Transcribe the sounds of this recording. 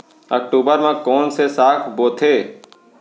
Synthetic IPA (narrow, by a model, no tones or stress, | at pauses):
ə̰k̚ʈuːbəɾmãkoːnsesaːkʰboːt̪ʰeː